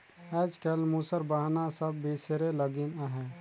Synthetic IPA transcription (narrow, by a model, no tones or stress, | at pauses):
ɛd͡ʒkɛlmusəɾbaɦnasəbːisɾeləɡinaɦɛ